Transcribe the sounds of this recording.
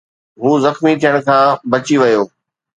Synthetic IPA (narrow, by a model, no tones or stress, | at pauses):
ɦuːzɐxmit̪ʰijəɽ̃kʰãːbɐt͡ɕiʋɐjoː